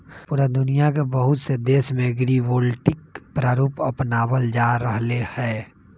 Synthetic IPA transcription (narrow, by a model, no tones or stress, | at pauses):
pʊːɾad̪ʊnijak̬ebəɦʊt̪sed̪eːsmẽɡɾiʋoːlʈɪk̚pɾaːɾuːpɐpnaːwəld͡ʒaːɾəɦlehɛː